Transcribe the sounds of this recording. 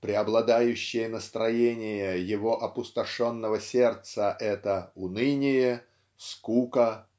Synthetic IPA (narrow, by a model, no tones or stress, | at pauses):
pɾʲɪɐblˠɐd̪ajʉɕːɪjənəst̪ɾɐjenʲɪjəjɪvo̞ʔɐpʊst̪ɐʂo̞nːəvəsʲe̞rt̪səʔɛt̪əʊnɨnʲɪjə | skukə